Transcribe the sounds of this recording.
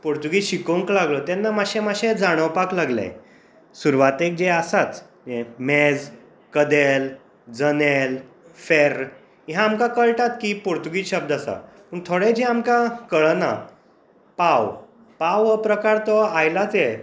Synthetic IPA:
poɾt̪uɡiɕikoŋklaɡlɔt̪anːamaɕẽmaɕẽd͡zaɽ̃əwpaklaɡla̰j̰ | suɾʋat̪ek̚d͡ʑeasat͡s̪ | emed͡z | kəd̪el | d͡zənel | feɾ | iɦãmkakəɭʈat̪kipoɾt̪uɡiɕəb̚d̪asa̰ | pəɳt̪ʰoɽed͡ʑɛamkakəɭəna̰ | paw | pawʋəpɾəkaɾt̪ɔajlat͡sjɛ

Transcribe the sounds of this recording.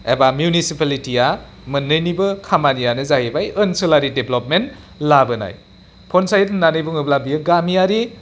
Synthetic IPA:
ḛbamjunisipalitija | mɯnːɯjnibɯkʰamanijanɯzaɦibajɯnsɯlaɾideblopmen | labɯna̰j | pʰɔnsajtnnanɯjbuŋɯblabijɯɡamijaɾi

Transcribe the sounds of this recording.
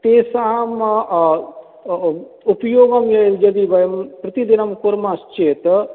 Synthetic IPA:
t̪eːsam | upjoːɡɐmjɐjld͡ʒɐd̪ibɐjɐmpɾɐt̪id̪inɐmkuɾmaːst͡ʃeːt̪

